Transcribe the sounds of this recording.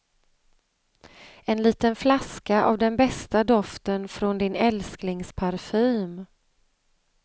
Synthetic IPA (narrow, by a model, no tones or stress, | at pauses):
ɛnliːt̪ənflaskaʔa̰vd̪ɛnbɛst̪ad̪ɔft̪ənfɾɔnd̪ɪnɛlsknɪŋspʰaɾfyːm